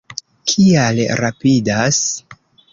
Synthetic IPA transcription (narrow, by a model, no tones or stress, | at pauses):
kʰialɾapidas